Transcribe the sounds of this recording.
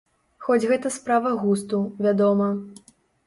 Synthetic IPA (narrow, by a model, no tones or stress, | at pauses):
xɔd͡zʲɣɛt̪ɐspɾavɐɣust̪uvʲad̪ɔmɐ